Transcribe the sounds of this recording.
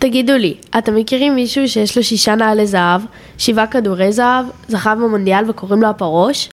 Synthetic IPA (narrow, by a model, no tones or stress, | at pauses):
t̪aɡiduliate̞mːekiʁimːiʃuːʃe̞jeʃlo̞ʃiʃanaːlezaav | ʃivakaduʁe̞jzaavzaχavmamo̞nd̪ialve̞ko̞ʁimlo̞apaʁo̞ʃ